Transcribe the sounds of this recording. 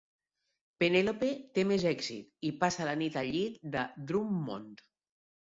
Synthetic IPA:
penelopet̪emezɛɡzḭt̪ipasalanit̪aʎitd̪ad̪ɾumːo̰nt̪

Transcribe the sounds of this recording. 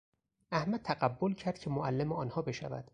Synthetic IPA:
ʔæhmæd̪̚t̪ʰæɢæbːolcʰæɾd̪̚cʰe̞moʔælːemeɒːnhɒːbe̞ʃæ̰væ̰d̪̥

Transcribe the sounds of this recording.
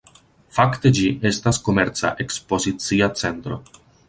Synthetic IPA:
fakte̞d͡ʒiʔe̞stasko̞meɾt͡sa̰ʔekspo̞zit͡siat͡se̞nt̪ɾo̞̰

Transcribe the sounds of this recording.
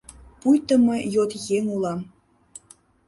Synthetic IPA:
pujt̪ə̆mɤjot̪jeŋulˠɑm

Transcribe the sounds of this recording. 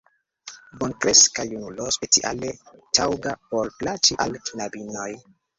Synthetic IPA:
bonkɾeskajunulospet͡siʔa̰letʰawɡapoɾplat͡ʃiʔalkinabinoj

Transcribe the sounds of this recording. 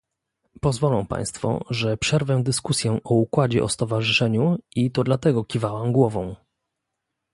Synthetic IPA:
pɔzvɔlɔ̃w̃pã̰j̃st̪fɔ̰ʐɛpʂɛɾvɛd̪ɘskusʲjɛʔɔukwad͡ʑɛʔɔst̪ɔvaʐɘʂɛɲuit̪ɔd̪lat̪ɛɡɔkʲivawamɡwɔvɔ̃w̃

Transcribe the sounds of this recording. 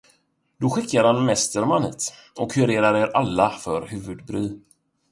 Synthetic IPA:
d̪ɔɧɪkːaɾhanmɛst̪əɾmanhḭːt̪ | ɔkhɵɾeːɾaɾeːɾalːafœɾhʉ̟ːvɵd̪bɾyː

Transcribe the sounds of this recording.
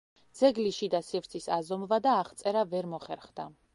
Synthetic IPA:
d̪z̥ɛɡliʃid̪asivɾt̪sʰisazɔmvad̪aːχt̪sʼɛɾavɛɾmɔχɛɾχd̪a

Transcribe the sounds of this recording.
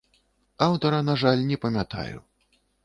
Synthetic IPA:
awt̪ɐɾɐnaʐalʲnʲɛpɐmʲat̪a̰jṵ

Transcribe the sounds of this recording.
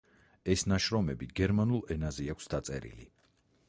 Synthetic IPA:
ɛsnaʃɾɔmɛbiɡɛɾmanulˠɛnazɛakʷʰsd̪at̪sʼɛ̰ɾḭlḭ

